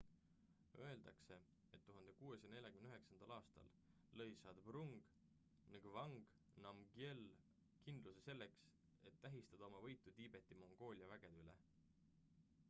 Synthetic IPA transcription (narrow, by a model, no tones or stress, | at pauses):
ø̞e̞ld̪̥ɑkse̞ | et̪ːuɦɑnd̪̥e̞kuːe̞sene̞lʲɑkymnyɦeksɑnd̪̥ɑlɑːst̪ɑ̰lː | ɤ̞jsɑd̪bruŋɡ̥ | niŋɡ̥vɑŋɡ̥ | nɑmɡiel | kind̪lusese̞lːe̞ks | e̞t̪ːæɦist̪ɑd̪̥ɑo̞mɑvɤ̞jt̪ːˑut̪iːb̥e̞t̪ːˑimo̞ŋɡ̥o̞ːlʲiɑvæɡ̥e̞d̪ylḛ